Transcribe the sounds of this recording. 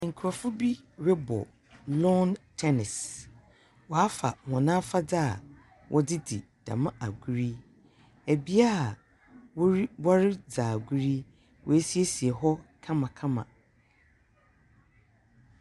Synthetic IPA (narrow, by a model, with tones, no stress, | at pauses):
ŋ̩˨kʰɾɔ˨fʊ˦bi˦ | ɾɛ˦bɔ̰˨ | lɔ˦ntʰɛ˦nɪ˨s | wɔ˨a˦fa̰˨hɔ̃˨nã˦fa˦da˦˨ | wʔɔ˦dɪ˦di˨ | d̥ã̰˨mã˦ʔa˨ɡu˦ɾi˦ | æ˨bi˦a˦a˨ | wɔ˦ɾi˦ba˦ɾɪ˦d͡zaː˨ɡu˦ɾi˦ | wʔɔ˨æ˦si˦e˦si˨e˨ɦɔ˦kʰã˦mã˨kʰã˦mã̰˨